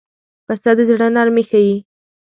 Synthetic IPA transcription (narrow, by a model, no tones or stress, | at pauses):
past̪ɑd̪əzɽanaɾmexaji